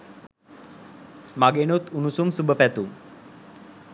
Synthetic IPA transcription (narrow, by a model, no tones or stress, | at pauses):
maɡenut̪unusumsubʱəpɛt̪u